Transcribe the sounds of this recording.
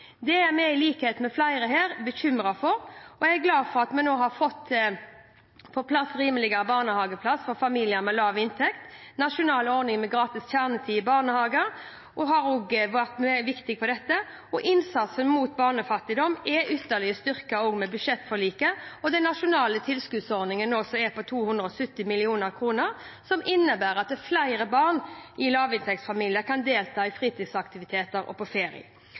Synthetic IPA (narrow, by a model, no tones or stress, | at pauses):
d̪ɛæɾmɛɪliːkheːt̪mɛflæɪɾəɦeːɾbəçʏmɾɑfɔɾɔææɡlɑːd̪fɔʁɑt̪mɛnoːhɑɾfɔt̪ː | pʰɔpʰlɑsʁiːməlɪɡəɾəbɑːʁnəhɑːɡəpʰlɑsfɔɾfɑmiːlɪjəɾmɛlɑːʋɪnt̪ʰɛkt̪nɑʂʊnɑːlɔɾnɪŋmɛɡɾɑːt̪ɪsçæʁnət̪ʰiːɪbɑːʁnəhɑːɡəɾ | ʔɔɦɑɾoːɡʋæʁt̪mɛʋɪkt̪ɪɡfɔd̪ɛt̪ːə | ɔʔɪnsɑt̪sənmuːt̪bɑːʁnəfɑt̪ːɪd̪ɔmɛʔʏt̪ːəʁlɪəst̪ʏʁkɑoːɡmɛbʉd̪ʂɛt̪ːfɔɭiːkəɔd̪ɛnːɑʃʊnɑːlət̪ʰɪlskʉd̪sɔɾnɪŋənɔsɔɛpɔt̪ʰuːhʉnd̪ʁəɔsʉt̪ːɪmɪlɪuːnəɾkʰʁuːnəʁ | sɔmʔɪnːəbæːɾɑt̪̚d̪ɛflæɪɾəbɑʁnɪlɑːʋɪnt̪ʰɛksfɑmiːlɪjəkʰɑnd̪eːlt̪ʰɑːɪfʁiːt̪ʰɪsɑkt̪ɪʋɪt̪ʰeːt̪əɾɔ̰pʰɔfeːɾɪ̰ə̰